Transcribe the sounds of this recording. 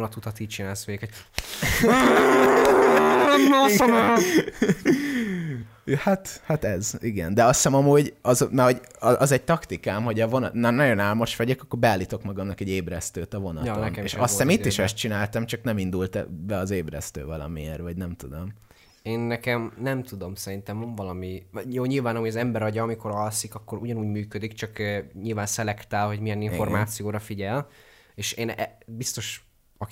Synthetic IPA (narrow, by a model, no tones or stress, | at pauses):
nɒt̪ut̪ɒt̪iːc̚t͡ʃinaːlsʋeːkho̥ | hat̪hat̪ɛziɡɛ̰nd̪ɛɒstɛmɒmuːɟɒzmɛho̞ɟ | ɒzɛɟ̚t̪ɒkt̪ikaːmho̞ɟɒvo̞nɒnnɒɟo̞naːlmo̞ʃʋɒɟekɒkːoːrbɛaːlːit̪o̞kmɒɡɒmnɒkɛɟeːbɾɛst̪øːt̪ɒvo̞nɒ̰tt̪o̰nḛʃɒst̪ɛmit̪ːiʃɛst̪t͡ʃinaːlt̪ɒmt͡ʃɒknɛmind̪ult̪bɛɒzeːbɾɛ̰st̪ø̰ːvɒlɒ̰miḛrvɒɟnɛmt̪ud̪o̞m | eːnːɛkɛmnɛmt̪ud̪o̞msɛɾint̪ɛmoɱvɒlɒmijoːɲilvaːnɒmojɒzɛmbɛɾɒɟɒɒmiko̞ɾɒlsikɒkːo̞ɾuɟɒnuːɟmyːkød̪ikt͡ʃɒkːɲilvaːnsɛlɛkt̪aːlho̞ɟmijɛniɱfo̞rmaːt̪sijoːɾɒfiɟɛl | eːʃeːnɛbist̪o̞ʃ | ɒ